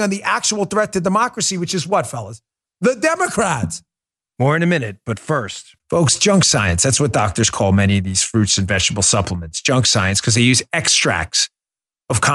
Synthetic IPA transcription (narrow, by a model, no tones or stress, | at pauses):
ɨ̃nðiʔæk̚t͡ʃəwl̩ˠθɹɛtʰɨdɨmɑkɹɨsiwɨt͡ʃɨzwʌtfɛlˠoʊz | ðɨdɛmɨkʰɹ̥æts | mɔɹɨ̃nɨmɪ̃nɨt̚b̥ʌtfɜ˞st̚ | foʊksd̥ʒ̥ʌ̃ŋksaɪɨ̃nsðætswʌt̚d̥ɑk̚tə˞z̥kʰɔlˠmɛñiʌvðiz̥fɹʉtsɨ̃nvɛ̥ʒ̥təbl̩ˠsʌpʰləmɨ̃ntsd̥ʒ̥ʌ̃ŋksaɪɨ̃nskʰʌzðeɪjʉzɛkstɹ̥æ̰k̚ts | ʌv̥kʰɑ